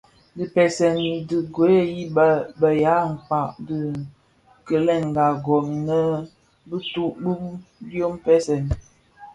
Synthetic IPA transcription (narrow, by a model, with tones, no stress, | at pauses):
di˨pɛ˨sɛ˨ni˨dɨ˨ɡo˨˦e˦ji˦bbə˨ja˨˦m̩˨fa˨ʔdɨ˨ | kə˨lɛ˦˨ŋ˨ɡa˨ɡɔ˨ŋi˨nə˦ | bə˦tu˦ʔɗu˦mbjo˦m˦pɛ˦sɛ˨n